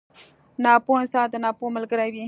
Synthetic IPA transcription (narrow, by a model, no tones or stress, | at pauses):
nɑponsɑd̪ənɑpoməlɡəɾawi